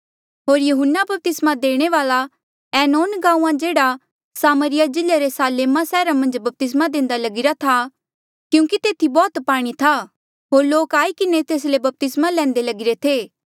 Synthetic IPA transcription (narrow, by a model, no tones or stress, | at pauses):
ɦoːɾjɐɦʊnːabɐp̚t̪ɪsmad̪eːɽ̃eʋaːla | ɛːnoːnɡãːũːãd͡ʒeːɽa | saːməɾɪjad͡ʒɪleɾesaːleːmasɛːɾamɐ̃nd͡ʒbɐp̚t̪ɪs̬mad̪ẽːnd̪alɐɡɪɾat̪ʰa | kjũːkit̪eːt̪ʰibɔːt̪paːɽ̃it̪ʰa | ɦoːɾloːkaːikɪnet̪eːs̬lebɐp̚t̪ɪsmalɛ̃ːnd̪elɐɡɪɾet̪ʰeː